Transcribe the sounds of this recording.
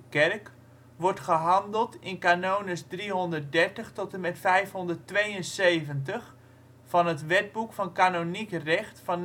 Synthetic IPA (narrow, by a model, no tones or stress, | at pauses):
kɛrk | ʋɔɹtχəɦɑndəlˠtɪnkanownəsdriɦɔndərt̚dɛɹtəχtɔtəmɛtfɛjfɦɔndərtʋejənsejvəntəχ | fɑnɦətʋɛd̚bukfɑnkaːnonikrɛχtfɑn